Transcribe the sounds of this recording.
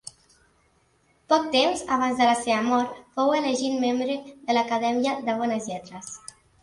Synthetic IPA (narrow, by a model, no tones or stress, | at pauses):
pɔk̚t̪emzaβanzðəlaseβəmɔɾt̪foweleʒinmembɾeðələkaðɛmiəðəβ̞ɔnəzʎɛt̪ɾəs